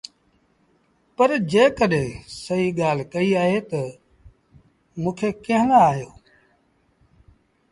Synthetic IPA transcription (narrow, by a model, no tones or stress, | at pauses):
pəɾd͡ʒeːkəɗẽːsəiːɠaːl̤kəiːaːɦeːt̪ə | mũːkʰeːkə̃ɦənaːaːɦjoː